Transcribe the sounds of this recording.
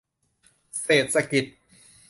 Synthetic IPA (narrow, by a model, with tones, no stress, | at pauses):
seː˨˩t̪̚sa˧ki˨˩t̪̚